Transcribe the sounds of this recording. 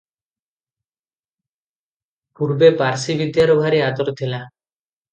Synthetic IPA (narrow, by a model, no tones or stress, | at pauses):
puɾbepaɾsibid̪jaɾobʱaɾiad̪ɔɾɔt̪ʰila